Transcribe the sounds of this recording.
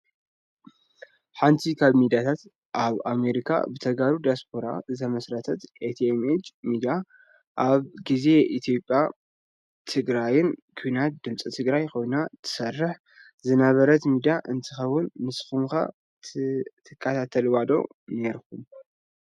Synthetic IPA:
ħant̪ʰikʰaβmid̪ijat̪ʰat̪ | ʔaβame̞ɾikʰa̰bɨt̪ʰɐɡaɾud̪ijaspʰo̞ɾa̰zɐmɐsɾɐt̪ʰɐt̪ʔet̪ʰemet͡ʃmid̪ia | ʔaβɡize̞ʔit̪ʰjo̞pʼːja | t̪ʰɨɡɾajɪnkʰujnat̪̚d̪ɨmt͡sʼit̪ʰɨɡɾajkʰo̞jnat̪ʰɨ̥sɐrːɨħ | zɨnɐβɐɾɐt̪mid̪ijaʔɨnt̪ʰɨxɐwːʊnmɨsxumka̰ | t̪ʰɨkʼːat̪ʰat̪ʰɐlwad̪o̞̰ | ne̞ɾxum

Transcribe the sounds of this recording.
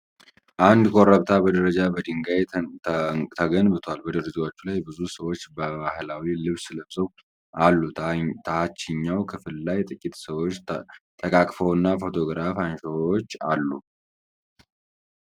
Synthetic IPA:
ʔand̪kʰʼoɾəβt̪ʰabəd̪əɾəd͡ʒabəd̪ɨŋɡaj | t̪ʰəɡənbɨt̪ʰwalbəd̪ɨɾɨzwot͡ʃːulajbɨzusəwo̞t͡ʃːbəbahɨlawilɨβsɨləβzəw | alːut̪ʰəhat͡ʃːɪɲːawkʰɨfɨlːajt̪ʼɨkʼːit̪səwo̞t͡ʃːt̪ʰəkʼakʼfəwɨnːafo̞t̪ʰo̞ɡɾafanʃoot͡ʃːalːu

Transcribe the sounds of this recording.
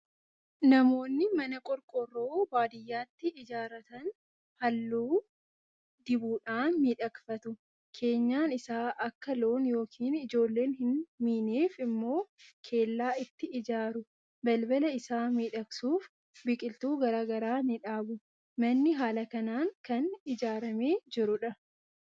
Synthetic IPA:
nɐmo̞ːnːɪmɐnɐkʼɔɾkʼɔrːoːbaːd̪ɪjːaːt̪ːɪɪd͡ʒaːɾɐt̪ɐn | hɐlːuː | d̪ɪbuːᶑaːnmiːᶑɐkfɐt̪ʊ | kʰe̞ːɲːaːnɪsaːʔɐkːɐlo̞ːnjo̞ːkʰiːnɪd͡ʒo̞ːlːe̞ːnhɪnmiːneːfɪmːo̞ːkʰe̞ːlːaːɪt̪ːɪɪd͡ʒaːɾʊ | bɐlbɐlɐɪsaːmiːᶑɐksuːf | bɪkʼɪlt̪uːɡɐɾaːɡɐɾaːnɪᶑaːbʊ | mɐnːɪɦaːlɐkɐnaːŋkɐnɪd͡ʒaːɾɐme̞ːd͡ʒɪɾʊᶑɐ

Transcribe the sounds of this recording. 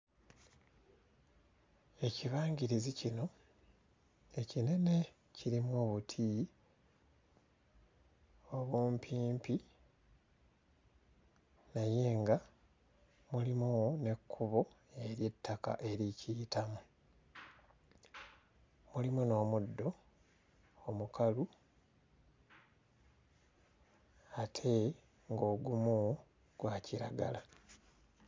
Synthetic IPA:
e̞ciβaːɲɟiɾizicino̞ | e̞cine̞ne̞ | ciɾimwo̞ːβutʰiː | o̞βuːmpʰiːmpi | naje̞ːŋɡa | mulimune̞kʰːuβo̞ | e̞ɾje̞tːaka̰ʔe̞ɾicitamu | mulimuno̞ːmudːo̞ | omukʰalu | atʰe̞ | ŋɡo̞ːɡumu | ɡ̥waːciɾa̰ɡa̰la

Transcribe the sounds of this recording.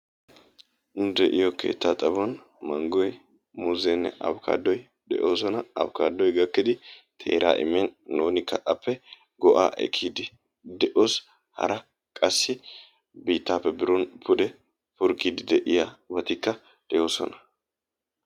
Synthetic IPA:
nʊd̪ɛʔɪjɔkʰe̞̰ːt̪ːat̪ʼɐbɔn | mɐŋɡɔj | muzɛnːɛ̰ʔɐ̰bkʰa̰ːd̪ːɔj | d̪ɛ̰ʔo̞ːsɔnɐɐ̰bkaːd̪ːɔjɡɐkːɪd̪ɪt̪ʰe̞̰ːɾa̰ːʔɪ̰mːɛnːoːnɪkʰːɐʔɐpːɛ | ɡɔʔa̰ːʔɛ̰kʼʰːid̪ɪ | d̪ɛʔo̞ːs | hɐ̰ɾɐ | kʼɐsːɪ | biːt̪ːaːpːɛbɪɾɔnpʰʊd̪ɛ | fʊɾkʼiːd̪ɪd̪ɛʔɪjabɐt̪ɪkːɐ | d̪̥ɛjo̞ːsɔ̰nɐ̥

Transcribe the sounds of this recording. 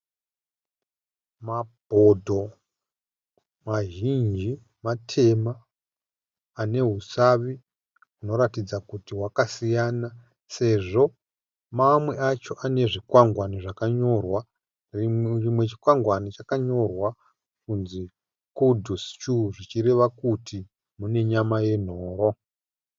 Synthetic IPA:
mabʱo̞dʱo̞ | maʒind͡ʒi | matʰe̞ma | ne̞ɦusaʋi | uno̞ɾatid͡zakutiwakasijaːna | se̞ʐo̞ | mamwe̞ʔat͡ʃo̞ʔane̞ʐikwaŋɡwaniʐakaɲo̞rwa | imwe̞t͡ʃi̥kwaŋɡwanit͡ʃakaɲo̞rwa | kunzi | kudʱust͡ʃuʐit͡ʃiɾe̞ʋakutʰi | mune̞ɲamaje̞n̤oːɾo̞

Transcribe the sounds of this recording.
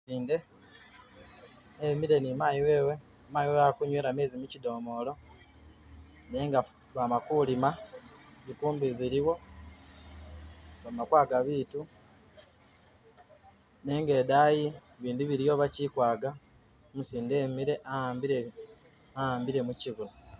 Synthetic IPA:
siːnde̞ | miɾe̞nimaːjiwe̞we | maːjiweakuɲweːɾame̞ːzimucido̞ːmo̞lo̞ | ne̞ːŋɡa | βamakulimazikuːmbiziɾiwo̞ | βamakwaːɡaβiːtu | ne̞ːŋɡe̞ːdaːji | βiːndiβiɾijo̞βacikwaːɡa | musiːndeːmiɾe̞ʔambiɾe | aaːmbiɾe̞muciɣulo

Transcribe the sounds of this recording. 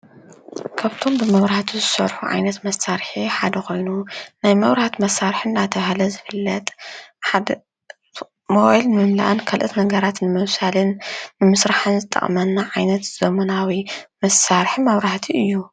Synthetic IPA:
kʰaβt̪ʰo̞mbɨmɐβɾaht̪ʰuzɨsɐ̰ɾħuʕa̰jnɐt̪mɐsaɾħiħad̪ɐkʰo̞jnunajmɐβɾaht̪mɐsaɾħɨnd̪at̪ʰɐβahlɐzɨfɨlːɐt̪ʼħad̪ | moʔlnɨmɨmla̰ʔɨnkʰɐlʔɨt̪nɐɡɐɾat̪nɨmɐwsalɨnːɨmɨsɾaħɨnzɨt̪ʼːɐ̰χʼmɐnːaʕajnɐt̪z̥ɐmɐnawimɐsaɾħimɐβɾaht̪ʰiɨjːu

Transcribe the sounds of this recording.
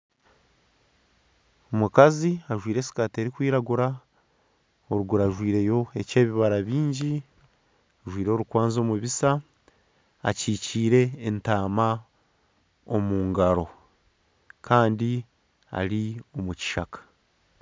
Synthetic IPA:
omukaziaʒwiːɾe̞ːsi̥kate̞ːɾikwiːɾaɡuɾa | oɾuɡuɾaʒwiːɾe̞jo̞e̞ce̞ːβiβaɾaβiːɲɟi | aʒwiːɾo̞ːɾukwaːnzo̞ːmuβisaː | ciːciːɾe̞ːntaːma | omuːŋɡaɾo̞ | kʰaːndi | a̰lio̞muci̥ʃakḁ

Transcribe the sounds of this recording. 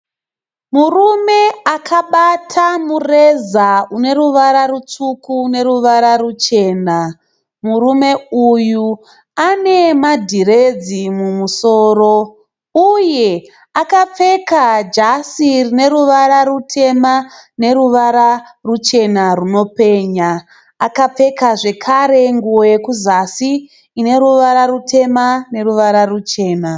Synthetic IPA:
murume̞akʰaɓatʰamurezaune̞ɾuʋaɾarut͡sukune̞ɾuʋaɾarut͡ʃe̞ːna | murume̞uju | ane̞madʱiɾed͡zimumuso̞ːro̞ | uje̞ | akap͡fe̞kad͡ʒasirine̞ɾuʋaɾarutʰe̞mane̞ɾuʋaɾarut͡ʃe̞naruno̞pe̞ːɲaː | kap͡fe̞kaʐe̞kʰaɾe̞ŋɡuojekuzasiː | ne̞ɾuʋaɾaɾutʰe̞mane̞ruʋaɾarut͡ʃe̞ːna

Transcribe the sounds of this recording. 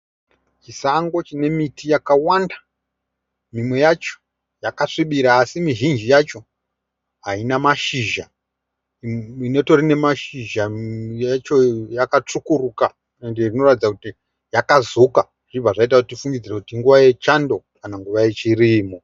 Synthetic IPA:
t͡ʃisaŋɡo̞t͡ʃine̞mitʰijakawanda | mimwe̞jat͡ʃo̥ | jakaʂiɓiɾaːsimiʒind͡ʒijat͡ʃo̞ | ɦainamaʃiʒa | ine̞to̞rine̞maʃiʒajat͡ʃojakat͡ʂukuɾuka | endeʐino̞ratid͡zakuti | jakazoka | ʐ̥ib͡vaʐait̬aʐutifuŋɡid͡zirekutiŋɡuʋaje̞t͡ʃando̞ | kanaŋɡuʋaje̞t͡ʃiriːmo

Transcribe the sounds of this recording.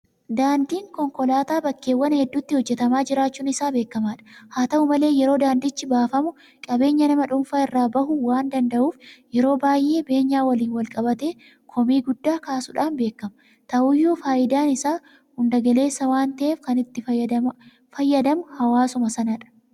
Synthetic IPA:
d̪aːnd̪iːŋkɔŋkɔlaːt̪aːbɐkːe̞ːwːɐnhɛd̪ːuːt̪ːɪhɔd͡ʒːɛt̪ɐmaːd͡ʒɪɾaːt͡ʃːuːnɪsaːbe̞ːkːɐmaːᶑɐ̥haːt̪ɐʊmɐle̞ːjɛɾo̞ːd̪aːnd̪ɪt͡ʃːɪbaːfɐmʊ | kʼɐbe̞ːɲːɐnɐmɐᶑʊmfaːɪrːaːbɐhʊwaːnd̪ɐnd̪ɐʔuːfjɛɾo̞ːbaːjʔe̞ːbe̞ːɲːaːwɐliːnwɐlkʼɐbɐt̪e̞ː | kʰɔmiːɡʊd̪ːaːkaːsʊᶑaːnbe̞ːkːɐmɐ | t̪ɐʔuːjːuːfaːʔɪd̪aːnɪsaː | hʊnd̪ɐɡɐle̞ːsːɐwaːnt̪ɐʔeːfkɐnɪt̪ːɪ | fɐjːɐd̪ɐmʊhɐwaːsʊmɐsɐnɐᶑɐ̥

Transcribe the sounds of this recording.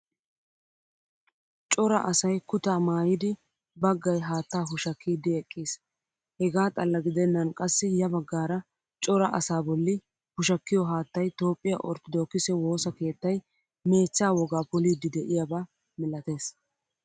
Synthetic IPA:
t͡ʃʼɔɾɐ̰ʔɐsɐjkʊt̪aːmaːjɪd̪ɪ | bɐɡːɐjɦaːt̪ːaːɦʊʃɐkːiːd̪ɪɛkʼːiːs | hɛɡaːt̪ʼɐlːɐɡɪd̪ɛnːɐnkʼɐsːɪjɐbɐɡːaːɾɐ | t͡ʃʼɔɾɐʔɐ̰saːbɔlːɪ | hʊʃɐkːɪjɔɦaːt̪ːɐjt̪o̞ːpʼːɪjɐ̰ʔɔɾt̪ɔd̪oːkːɪsɛwo̞ːsɐke̞ːt̪ːɐj | me̞ːt͡sːaːwɔɡaːpʊliːd̪ɪd̪ɛʔɪjabaː | mɪlɐt̪e̞ːs

